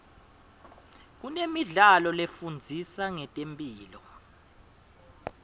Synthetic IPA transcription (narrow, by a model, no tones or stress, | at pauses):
k̬unemiɮalɔlefund͡zʱisaŋɛtʼempʼiːlɔ